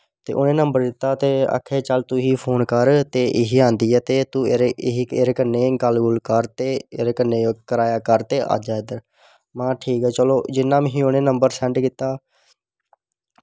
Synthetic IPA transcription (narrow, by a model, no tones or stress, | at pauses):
t̪ḛːʔoːnẽːnəmbəɾd̪ɪt̪ːaːt̪eːə̰kʰːeːt͡ʃəlt̪uɦiːpʰoːnkəɾt̪eːʔɪɦiːãːnd̪iːɛːt̪eːt̪ũːeɾeɪɦieːɾeːkənːeːɡəlɡʊlkəɾt̪eːeːɾeːkənːeːoːkəɾaːjaːkəɾt̪eːʔa̰ːd͡ʒaːɪd̪əɾ | mãːʈʰiːkɛːt͡ʃəloːd͡ʒɪnːãːmɦiːonẽːnəmbəɾsɛ̃ːɳɖkɪt̪aː